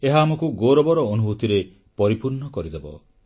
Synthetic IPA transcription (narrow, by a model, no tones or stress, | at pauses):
eɦaːmɔkuɡoɾɔbɔɾɔonuɦut̪iɾe | pɔɾipuɾɳɔkɔɾid̪ebɔ̰